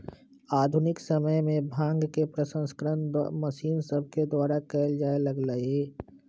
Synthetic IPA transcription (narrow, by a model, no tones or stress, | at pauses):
aːd̪ʱʊnɪksəməjmẽbʱãːŋɡkepɾəsə̃nskəɾənd̪məsiːnsəb̚ʱked̪waːɾakɛːld͡ʒaːeləɡləe